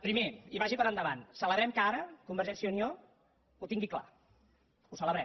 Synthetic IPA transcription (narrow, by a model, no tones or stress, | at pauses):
pɾimeiβaʒipəɾənd̪əβansələβɾɛmkəaɾəkumbəɾʒɛsionio | ut̪iŋɡikla̰ | usələβɾɛ